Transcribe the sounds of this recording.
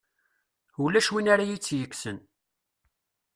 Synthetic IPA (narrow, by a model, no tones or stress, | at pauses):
ulːæʃwinaɾajit͡sːjəkːsən